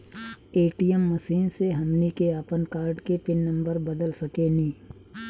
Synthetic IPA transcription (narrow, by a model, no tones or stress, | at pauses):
eːʈijəmːɐsiːnseɦɐmnikeapənkaːɾɖkepɪnːɐ̃mbəɾbɐd̪əlsɐkenĩː